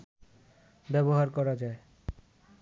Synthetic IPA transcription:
bɛboɦaɾkɔɾad͡ʑae

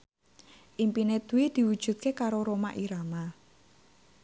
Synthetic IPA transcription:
ʔimpined̪̥ṳwid̪̥i̤wud̥ʒ̥ṳt̪̚kekaɾoɾoma̰ʔiɾama

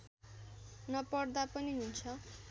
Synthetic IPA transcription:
nʌpʌɽd̪apʌniɦunt͡sʰʌ

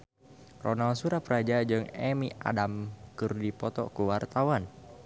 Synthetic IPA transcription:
rɔnalsuɾapəɾad͡ʒad͡ʒɨŋɛmia̰damkɨrdipɔt̪ɔkuwart̪awan

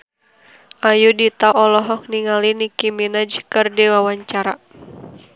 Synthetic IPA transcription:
ʔajudit̪aʔɔlɔɦɔk̚niŋalinikiminad͡ʒkɨrdiwawaɲt͡ʃaɾa

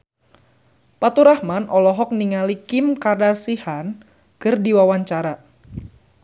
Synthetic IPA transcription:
pat̪uɾahmanʔɔlɔɦɔk̚niŋalikɪmkardasihan | kərdiwawaɲt͡ʃaɾa

